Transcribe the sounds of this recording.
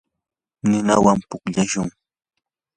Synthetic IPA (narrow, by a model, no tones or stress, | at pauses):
nɪnawampʊkʎaʃʊŋ